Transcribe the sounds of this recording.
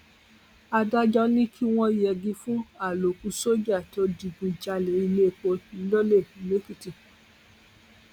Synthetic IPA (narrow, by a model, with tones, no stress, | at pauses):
a˧da˦d͡ʒɔ˦nĩ˦kʰi˦w̃ɔ̃˧˨jɛ˨ɡĩ˧˦fũ˦a˨lo˨ku˧so˦d͡ʒa˦˨to˨˦di˧ɡũ˧d͡ʒa˧le˨˦i˧le˦˨k͡po˧i˧˦lo˦le˦˨i˨le˦ki˦ti˦˨